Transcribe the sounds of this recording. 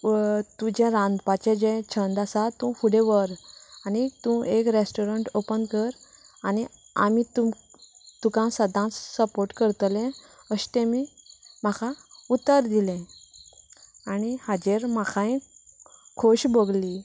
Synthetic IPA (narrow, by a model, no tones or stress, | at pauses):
t̪ud͡ʑẽɾãnd̪pat͡ɕẽd͡ʑẽt͡ɕʰənd̪asat̪ũfuɽeʋəɾanit̪ũekɾesʈoɾəɳʈopənkəɾ | ani | amit̪u | t̪ukãsəd̪ʱãt͡ssəpoɾʈkəɾt̪lɛ̃ | əɕt̪ẽmim̤akʰaut̪ːəɾd̪ilɛ̃ | anihad͡ʑeɾmakʰãj̃ | kʰoɕbəɡli